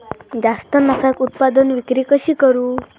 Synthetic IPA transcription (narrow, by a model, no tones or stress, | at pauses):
d͡zast̪ənakʰakut̪̚pad̪ənʋikɾikəɕiːkəɾuː